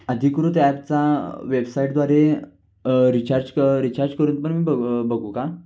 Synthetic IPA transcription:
əd̪ʱikuɾũt̪ɛpt͡saʋebsaiʈd̪ʋaɾe | ɾit͡ɕaɾd͡ʑkəɾit͡ɕaɾd͡ʑkəɾuːnpəɳmiːbəbəɡũka

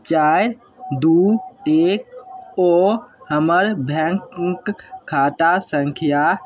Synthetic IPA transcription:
t͡ʃaːjɾ | d̪uːteːk̚ɔːhəməɾbʱɛ̃ŋkŋkʰːaːʈasə̃ŋkʰija

